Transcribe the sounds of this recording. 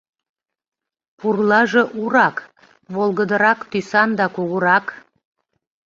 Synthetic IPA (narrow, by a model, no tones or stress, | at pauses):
purlˠɑʒeʔuɾɑk | βolˠɣəd̪ə̆ɾɑkt̪ysɑnd̪ɑkuɣəɾɑk